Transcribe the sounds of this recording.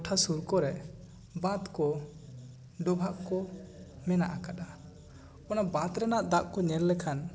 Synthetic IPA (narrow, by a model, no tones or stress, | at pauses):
ɔʈʰasuɾkɔɾɛ | bãt̪kɔ | ɖɔbʱaʔkɔ | mɛnaʔakaɗa | ɔnabãt̪ɾɛnaʔd̪aʔkɔɲɛllɛkʰan